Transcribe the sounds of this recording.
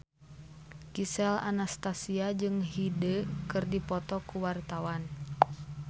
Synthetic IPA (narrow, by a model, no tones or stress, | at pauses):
kisɛla̰nast̪asiad͡ʒɨŋɦidəkɨrdipɔt̪ɔkuwart̪awan